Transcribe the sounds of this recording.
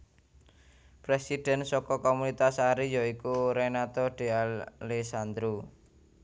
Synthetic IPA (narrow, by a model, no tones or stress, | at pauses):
pɾɛsiɖ̥ɛ̤nsɔkɔkɔmunit̪asaɾijɔikuɾɛnat̪ɔɖ̥e̤alesand̪ɾu